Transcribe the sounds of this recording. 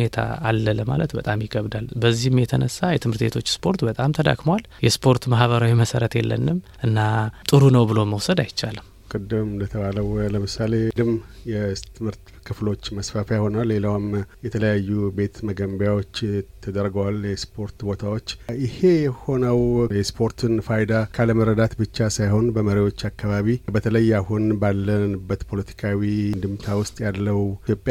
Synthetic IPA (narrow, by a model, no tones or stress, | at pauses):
net̪ʰa̰ːlːələma̰lət̪bət̪ʼamjɪɡəβd̪albəzːihɨmjɛt̪ʰənəsːajɛt̪ʰɨmhɨɾt̪bet̪ʰo̞t͡ʃːspʰo̞ɾt̪bət̪ʼamt̪ʰəd̪a̰kmwal | jɛspʰo̞ɾt̪mahβəɾawiməsəɾət̪jɛ̰lːə̰nːɨmʔɨnːat̪ʼɨɾunəwbɨlo̞məwsəd̪ajɪt͡ʃːalɨm | kʼɨd̪ɨmlət̪ʰəβaləwləmɨsaled̪ɨmjɛt̪ʰɨmhɨɾt̪ | kʰɨflo̞t͡ʃːməsfafajho̞nalːe̞lawmjɛt̪ʰələjajːube̞t̪məɡəmbjawo̞t͡ʃːt̪ʰəd̪əɾɡəwaljɛspʰo̞ɾt̪bo̞t̪ʰawot͡ʃːʔɪhe̞jɛho̞nəwjɛspʰo̞ɾt̪ʰɨnfajd̪akʰaləməɾəd̪at̪bɨt͡ʃːasajho̞nbəməɾiwo̞t͡ʃːakːaβaβibət̪ʰələjahunbalːənɨbːət̪pʰo̞lət̪ʰi̥kʰawind̪ɨmt̪ʰawʊst̪ʼjalləwjo̞pʼja